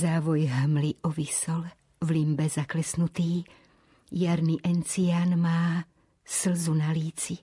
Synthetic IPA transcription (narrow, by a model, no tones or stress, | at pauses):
zaːʋɔjɦmliʔɔʋisɔl | vlimbɛzaklɛsnut̪iː | jaɾniʔɛnt͡siaːnmaː | slzunaliːt͡si